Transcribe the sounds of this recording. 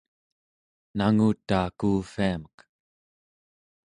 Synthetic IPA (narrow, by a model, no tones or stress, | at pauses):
naŋut̪ːaːkuːfiamək